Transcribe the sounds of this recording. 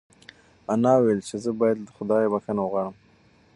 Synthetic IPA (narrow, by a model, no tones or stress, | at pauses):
anɑwelt͡ʃezəbɑjad̪ːəxʊd̪ɑjebaxanawəɣwɑɽəm